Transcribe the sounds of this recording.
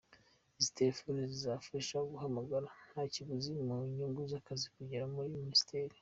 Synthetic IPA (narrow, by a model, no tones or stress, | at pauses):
izitefonizizafiʃaoɡuɦamaɡaɾanhaciβuzimaiɲuŋɡuzakazikuɟeɾamuɾimiisteːɾi